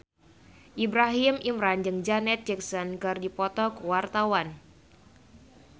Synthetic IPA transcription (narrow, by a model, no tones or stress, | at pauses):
ʔibɾaɦimʔimɾand͡ʒɨŋd͡ʒanɛt̪̚d͡ʒɛk̚sɔnkɨrdipɔt̪ɔkuwart̪awan